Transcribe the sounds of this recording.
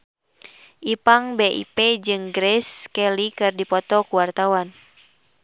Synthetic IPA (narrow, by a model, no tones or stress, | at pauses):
ʔipaŋbeʔḭpɛd͡ʒɨŋɡɾɛskɛlikɨrdipɔt̪ɔkuwart̪awan